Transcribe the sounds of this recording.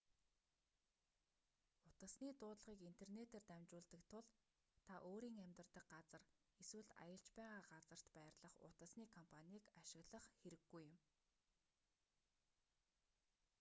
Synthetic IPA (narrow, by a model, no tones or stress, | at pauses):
ʊt̪ə̆sniːt̪ʊːt̪ɮʁiːkin̥t̪ʰernet̪eːrt̪æmt͡ɕʊːɮt̪ə̆kt̪ʰʊɮ | t̪ʰaʔoːɾiːŋæmʲt̪ə̆rt̪ə̆k̚ɢat͡sə̆r | eswɘ̆ɮa̰jə̆ɬt͡ɕpæːʁaːɢat͡sə̆r̥t̪pæːrɮə̆χʊ̰t̪ə̆sniːkʰɔmpʰanʲiːkaʃɪ̆ɣɮə̆χxeɾɘ̆ɡːujɪ̆m